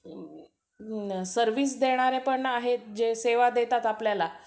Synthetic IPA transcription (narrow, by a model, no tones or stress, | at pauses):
səɾʋiːsd̪eɽ̃aɾepəɳaɦet̪d͡ʑeseʋad̪et̪at̪apljala